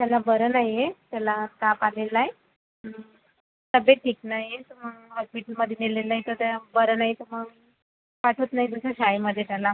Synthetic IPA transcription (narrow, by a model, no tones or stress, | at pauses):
t̪jalabəɾənaɦjet̪jalat̪apalelaj | t̪əbeʈʰːiːknaɦjet̪əməɡɦɔspiʈəlməd̪ʱːjenilːelːaɦjt̪ət̪abəɾənaɦjit̪əməɡ | paʈʰət̪naɦid̪usəɕajməd̪ʱjet̪jala